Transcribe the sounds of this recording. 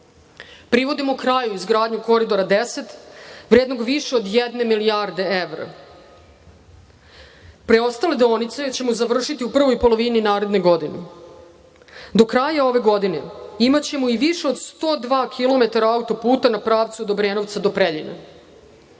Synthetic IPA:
pɾiʋo̞d̪imokɾajuizɡɾaːd̪ɲuko̞ɾid̪o̞ɾad̪ese̞t̪ʋɾeːd̪no̞ɡʋiʃeod̪jed̪ne̞milijaːɾd̪e̞eʋɾa̰ | pɾe̞o̞st̪ale̞d̪onit̪set͡ɕe̞muzaʋr̩ʃit̪iupr̩ʋo̞jpo̞lˠo̞ʋininaːɾe̞d̪ne̞ɡo̞d̪ine | d̪o̞kɾaːjao̞ʋe̞ɡo̞d̪ine̞imat͡ɕe̞muiʋiʃeo̞d̪st̪o̞ːd̪ʋaːkʰilˠo̞me̞t̪aɾaaut̪o̞puːt̪anapɾaːʋt̪suod̪obɾeːno̞ʋt̪sad̪o̞pɾeʎḭna̰

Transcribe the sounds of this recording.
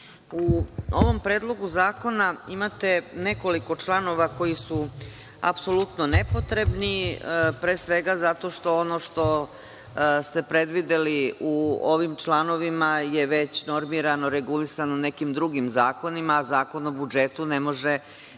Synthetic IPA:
uo̞ʋo̞mpɾe̞ːd̪lˠo̞ɡuzaːko̞naimat̪e̞ne̞ko̞liko̞t͡ʃlˠano̞ʋako̞jisu | a̰pso̞lut̪no̞ne̞po̞t̪ɾe̞bnipɾeːsʋe̞ɡazat̪o̞ʃt̪o̞ono̞ʃt̪o̞ | st̪e̞pɾe̞d̪ʋid̪eliuoʋimt͡ʃlˠano̞ʋimaje̞ʋe̞t͡ɕno̞ɾmiɾano̞ɾe̞ɡulisanone̞kimd̪ɾuɡimzaːko̞nimaːzaːko̞nobud͡ʒe̞t̪une̞mo̞ʒe

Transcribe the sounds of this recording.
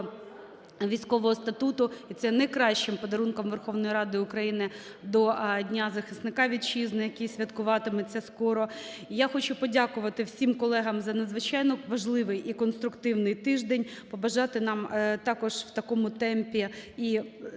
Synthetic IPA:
ʋʲijsʲkɔʋɔɦɔst̪ɐt̪ut̪ʊit̪sɛnɛkɾɑʃt͡ʃɪmpɔd̪ɐɾunkɔmʋerxɔʋnɔjiɾɑd̪ɪʊkɾɐjinɪ | d̪ɔdʲnʲazɐxɪsnɪkɑʋʲid̪̚t͡ʃiznɪjɐkʲijsʲʋʲɐt̪kʊʋɑt̪ɪmɛsʲɐskɔɾɔ | ijaxɔt͡ʃʊpɔdʲakʊʋɐt̪ɪwsʲimkɔlˠɛɦɐmzɐnɐd̪zʋɪt͡ʃɑjnɔʋɐʒlˠɪʋɪjikɔnst̪ɾʊkt̪ɪwnɪjt̪ɪʒd̪enʲpɔbɐʒɑt̪ɪnɑmt̪ɑkɔʒwt̪ɐkɔmʊt̪ɛmpʲii

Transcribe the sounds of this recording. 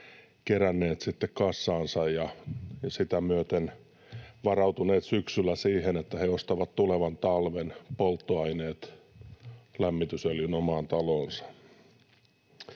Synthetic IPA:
kerænːeːt̪sit̪ːekkɑsːɑːnsɑjjɑjsit̪æmyøt̪en | ʋɑrɑut̪uneːt̪syksylˑːæsiːhenet̪ːæheost̪ɑʋɑt̪t̪uleʋɑnt̪ɑlʋenpolt̪ːoɑineːt̪ | læmːit̪yselinomɑːnt̪ɑloːnsɑ̥

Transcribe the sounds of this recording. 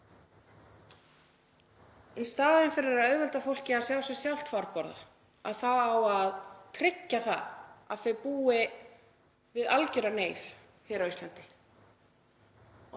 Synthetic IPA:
ist̪aːðɪnfɪɾɪɾɛɾaðœɥvœlt̪afowl̥cɪaðsjawsɛsjawl̥t̪faɾkɔɾða̰ | a̰ðθaðawaðt̪ʰɾɪcːaθa̰ðaðθœɥpuːɪ | vɪðalcʏɾaneːjf | hɪɾawist̪lant̪ɪ

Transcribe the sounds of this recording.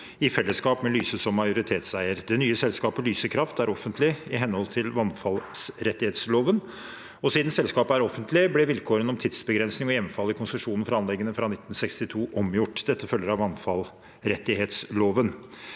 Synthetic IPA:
ɪfɛlːəskɑːpmɛlyːsəsɔmːɑɪjʊɾɪt̪ʰeːt̪sæɪəɾd̪ɛnyːəsɛlskɑːpəlyːsəkʰɾɑft̪æɾɔfːənt̪ʰlɪɪɦɛnhɔlt̪ʰɪlʋɑnfɑlsɾɛt̪ːɪheːt̪sloːʋən | ɔsiːd̪n̩sɛlskɑːpəæɾɔfːənt̪lɪblɛʋɪlkʰoːɾənɔmt̪ʰɪd̪sbəɡɾɛnsnɪŋɔjɛʋənfɑlːɪkʰʊnsəʂuːnn̩fɾɑɑnlɛɡːənəfɾɑnɪt̪ːn̩sɛkst̪ɪt̪ʰuːʔɔmjʊʈːd̪ɛt̪ːəfœlːəɾɑʋɑnfɑl | ɾɛt̪ːɪɦeːt̪sloːʋən

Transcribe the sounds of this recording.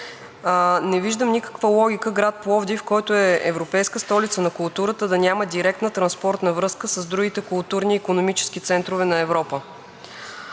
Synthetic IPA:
nɛviʒd̪əmnikə̥kvəlˠɔɡʲikəɡɾat̪̚plˠɔvd̪ifkɔjt̪ʊɛɛ̰vɾopɛjskəst̪ɔlit̪sənɐkʊlˠt̪uɾət̪əd̪ɐnʲaməd̪iɾɛk̚t̪nət̪ɾɐnspɔɾt̪nɐvɾɤskəsəzd̪ɾuɡ̟it̪ɛkʊlˠt̪uɾniːkonomit͡ʃɛ̥sk̟it̪sɛnt̪ɾovɛnɐɛvɾɔpə

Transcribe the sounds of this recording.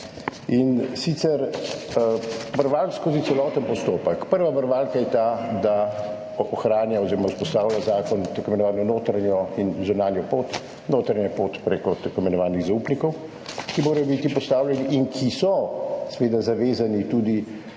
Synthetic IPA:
insit̪sɛɾ | bəɾʋalkskoːzitsɛlɔt̪ənpɔst̪oːpəkpəɾʋabəɾʋaːlkajɛt̪ad̪a | ɔxɾaːnjaɔziɾɔmauspɔst̪aːwljazaːkɔnt̪ɐkɔmɛnɔʋaːnɔnoːt̪ɾanjɔinzunaːnjɔpoːt̪ | noːt̪ɾanjapoːt̪pɾekɔt̪ɐkɔmɛnɔʋaːniɣzaupnikɔw | kimoːɾɐjɔbit̪ipɔst̪aːwlʲjɛniʔiŋkʰisɔsɛʋeːd̪azaʋeːzanit̪ud̪i

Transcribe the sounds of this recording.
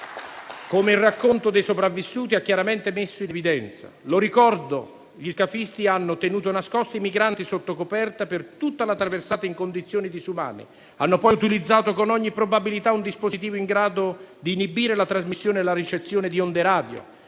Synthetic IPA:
komeilrːakːont̪od̪ejsopɾavːisːuːt̪iakːjaɾamɛnt̪emesːʊinevid̪ɛnt̪sa̰loɾikɔrd̪o | ʎiskafist̪ianːʊt̪enuːt̪onaskɔst̪oimiɡɾant̪isot̪ːokopɛrt̪apɪrt̪ut̪ːalat̪ɾaversaːt̪aiŋkond̪it̪sːjoːnid̪isuma̰ːnɪ̰ | anːʊpɔjut̪ilid̪zːaːt̪okonɔɲːipːɾobabilit̪aund̪ispozit̪̬iːvoiŋɡɾaːd̪od̪iːnibiːɾelat̪ɾazmisːjoːnelaɾit͡ʃet̪sːjoːnɪd̪iond̪eɾaːd̪jo̰

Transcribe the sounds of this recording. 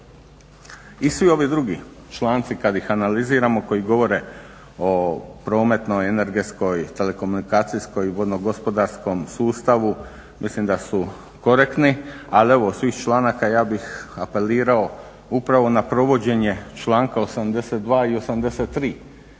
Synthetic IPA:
isʋio̞ʋid̪ɾuɡi | t͡ʃlˠaːnt̪sikad̪ixanaliziːɾamo̞ko̞jiɡo̞ʋo̞ɾe̞ | o̞pɾo̞ːme̞t̪no̞je̞ne̞ɾɡe̞t̪sko̞jt̪e̞le̞ko̞munikaːt̪sijsko̞jiʋo̞d̪noɡo̞spo̞d̪aɾsko̞msuːst̪aʋu | mislimd̪asu | ko̞ɾekt̪nialie̞ʋo̞ːsʋiːxt͡ʃlaːnakajaːbixape̞liːɾao̞ | upɾaʋo̞napɾo̞ʋo̞d͡ʑe̞ɲe̞t͡ʃlˠaːŋkao̞samd̪e̞set̪̚d̪ʋaːio̞samd̪eset̪ːɾiː

